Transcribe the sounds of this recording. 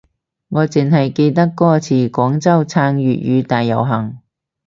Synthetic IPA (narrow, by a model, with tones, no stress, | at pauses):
ŋɔː˨˧t͡sɪ˨ŋɦɐ˨jke˧jt̪̬ɐ˥kːɔː˥t͡sʰiː˨˩kʷɔː˨˥ŋt͡sɐ˥wt͡sʰaː˧ŋɥyː˨t̚jy̰ː˨˧t̪aː˨jːɐ̰˨˩wɦɐ˨˩ŋ